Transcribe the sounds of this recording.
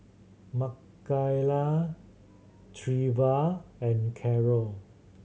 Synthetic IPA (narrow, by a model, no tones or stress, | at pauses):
makː | ajla | tʰɹivaɛ̃nkʰɛɹɔl